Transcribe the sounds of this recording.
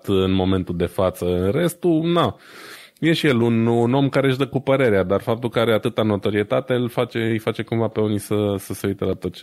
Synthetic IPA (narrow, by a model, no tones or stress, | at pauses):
t̪ɨnmo̞me̞nt̪uld̪e̞fat̪səɨnre̞st̪una | je̞ʃije̞lununo̞mkaɾe̞ʒd̪əkupəɾe̞ɾead̪arfap̚t̪ulkəaɾe̞at̪ɨt̪ano̞t̪o̞ɾie̞t̪at̪e̞ɨlfat͡ʃe̞ɨjfat͡ʃe̞kuɱvape̞onisəsəseujt̪əlat̪ot̪t͡ʃ